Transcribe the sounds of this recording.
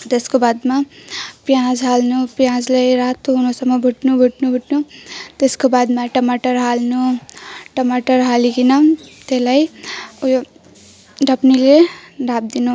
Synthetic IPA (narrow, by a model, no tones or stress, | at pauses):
t̪eskobad̪mapjãd͡zɦalnupjãd͡zlajɾat̪oɦunosʌmːʌbʱuʈnubʱuʈnubʱuʈnut̪eskobad̪maʈʌmaʈʌrɦalnuʈʌmaʈʌrɦalikinʌt̪elajuj | ɖʱʌpnileɖʱab̚d̪inu